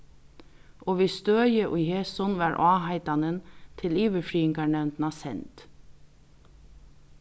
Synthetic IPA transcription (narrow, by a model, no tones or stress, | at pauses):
ʔoːʋiːst̪øːjəʔʊɪheːsɔnʋɑːɾʔɑːhɑɪt̪ɑnənt̪ʰɪliːʋəfɹiːɪŋɡɑɳɛʋnt̪nɑsɛ̰nt̪